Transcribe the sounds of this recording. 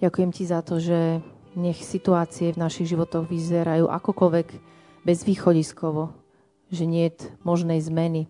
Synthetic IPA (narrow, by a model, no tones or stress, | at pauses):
ɟakujɛmcizat̪ɔʒɛ | ɲɛxsit̪uaːt͡siɛvnaʃiɣʒiʋɔt̪ɔɣʋizɛɾajuːʔa̰kɔkɔlʋɛɡ | bɛzʋiːxɔɟiskɔʋɔ | ʒɛɲɪɛt̪mɔʒnɛjzmɛni